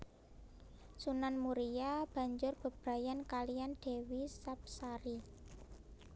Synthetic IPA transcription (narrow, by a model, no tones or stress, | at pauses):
sunanmuɾijab̥ä̤ɲd͡ʒʊrb̥ə̤b̥ɾa̤jankalijanɖ̪̥e̤wisap̚saɾi